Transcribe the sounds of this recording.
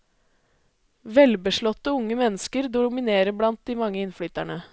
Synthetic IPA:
ʋɛlbəʂɭɔt̪ːəʊŋːəmɛnːəskəɾd̪ʊmɪneːɾəblɑnt̪̚d̪imɑŋːəɪnfɽyːt̪æɳə

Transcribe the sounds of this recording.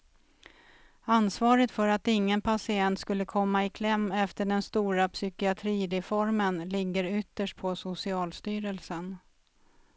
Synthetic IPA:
ansvɑːɾət̪fœɾat̪ɪŋːənpʰasɪɛnt̪skɵlːəkʰɔmːaɪkʰlɛmːɛft̪əɖɛnst̪uːɾapsʏkɪat̪ʰɾiːɾɛfɔɾmənlɪɡːəɾʏt̪ːəʂʈ̚pʰɔsʊsɪɑːlst̪yːɾəlsən

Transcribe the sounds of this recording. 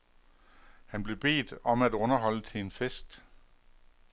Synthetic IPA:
hænb̥le̝b̥e̝̰ːd̥ɒ̽mædɔ̽nɐɦɒ̽l̰ət͡sʰe̝nfesd̥

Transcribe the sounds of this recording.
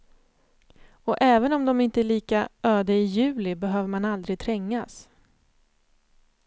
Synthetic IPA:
ɔʔɛːvənɔmd̪ɔmɪnt̪əæɭiːkaøːd̪aɪjʉ̟ːlɪbɛɦøːvəmanald̪ɾɪɡ̚t̪ʰɾɛŋːas

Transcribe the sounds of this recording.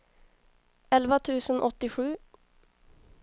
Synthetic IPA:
ɛlʋət̪ʰʉːsən̩ʔɔt̪ɪʂʉː

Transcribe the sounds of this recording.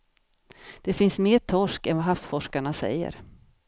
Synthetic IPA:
d̪̥ɛfɪnsmeːʈʰɔʂkɛnvaɦafsfɔʂkaɳasɛ̰jːə̰ɾ

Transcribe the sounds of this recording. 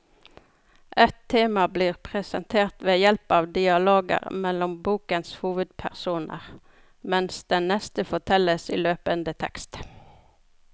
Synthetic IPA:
ʔɛt̪ʰːeːmɑbliːʁpʰʁɛsɛ̰nt̪ʰeːʁt̪ʋeːjɛlpɑːʋd̪ɪɑloːɡə̰ʁmɛlɔmbuːkənshuːʋəd̪̚pʰæʁsuːnə̰ʁ | mɛnsd̪ɛnnɛst̪əfɔt̪ʰɛləsḭːløːpənd̪ət̪ʰɛ̰kst̪

